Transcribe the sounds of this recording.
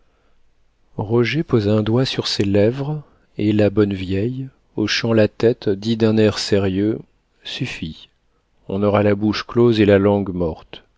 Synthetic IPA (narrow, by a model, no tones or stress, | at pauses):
ʁɔʒepozaɛ̃d̪wasyʁselɛvʁ | elabɔnvjɛj | ɔʃɑ̃lat̪ɛt̪d̪id̪ɛ̃nɛʁseʁjø | syfi | ɔ̃nɔʁalabuʃklozelalɑ̃ɡmɔʁt̪